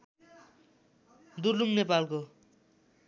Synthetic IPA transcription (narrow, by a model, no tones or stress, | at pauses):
d̪uɾluŋnepalko